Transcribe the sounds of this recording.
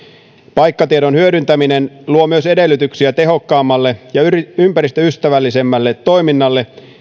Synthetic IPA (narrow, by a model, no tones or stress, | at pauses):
pɑjkːɑt̪ieɾo̞nhyødynt̪æmine̞nluo̞myøse̞de̞lːyt̪yksiæt̪e̞ɦo̞kːɑːmːɑlːe̞jɑympæɾist̪øyst̪æʋælːise̞mːælːet̪ːo̞jminːɑlːe̞